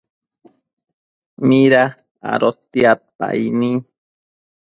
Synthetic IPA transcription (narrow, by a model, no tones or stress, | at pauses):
miɾa | a̰ɾot̪ːiapa̰ini